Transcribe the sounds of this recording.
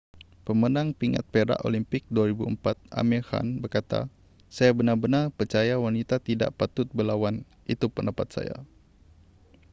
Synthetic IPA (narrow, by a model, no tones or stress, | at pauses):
pəmənaŋpiŋa̰t̪̚peɾa̰ʔo̰limpɪk̚duaɾibuəmpat̪̚a̰mɛha̰nbərkat̪a̰ | sajabənarbənarpərt͡ʃajawanit̪at̪ida̰ʔpat̪ʊt̪̚bəlawan | it̪upəndapat̪̚sa̰ja̰